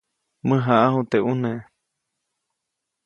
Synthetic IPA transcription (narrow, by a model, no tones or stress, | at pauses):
mɨɦaʔahut̪eʔunẽ